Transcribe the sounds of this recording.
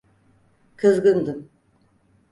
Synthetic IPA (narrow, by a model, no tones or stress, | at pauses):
kʰɯzɡɯnd̪ɯm